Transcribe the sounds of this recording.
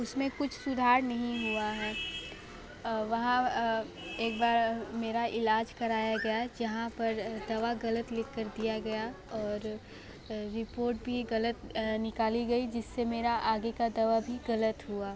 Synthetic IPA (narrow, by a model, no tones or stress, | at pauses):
ʊsmẽkʊt͡ʃʰsʊd̪ʱaːɾnɐɦĩɦuaɦɛː | ʋɐɦã | eːk̚baːɾmeːɾaʔɪlaːd͡ʒkɐɾaːjaɡɐjad͡ʒɐɦãpɐɾd̪ɐʋaɡɐlət̪lɪkːəɾd̪ijaɡɐja | ɔːɾ | ɾːɪpoːɾʈ̚bʱiɣɐlət̪nɪkaːliɡɐid͡ʒɪsːemeːɾaʔaːɡekad̪ɐʋabʱiɣɐlət̪ɦuaː